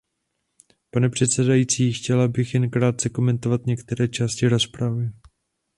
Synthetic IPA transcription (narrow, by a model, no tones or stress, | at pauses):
panɛpr̝̥ɛt̪sɛdajiːt͡siːxcɛlabɪxjɛnkɾaːt̪̚t͡sɛko̞mɛnt̪o̞vat̪ɲɛkt̪ɛɾɛːt͡ʃaːscɪɾo̞spɾavɪ